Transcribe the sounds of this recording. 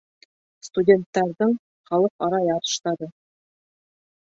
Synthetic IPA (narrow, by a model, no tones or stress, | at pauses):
st̪udʲe̞nt̪ːæɾd̪ɤɴ | χɑlˠɤqɒɾɑjɑt̪ɤ̥̆ʃt̪ɑd̪ɤ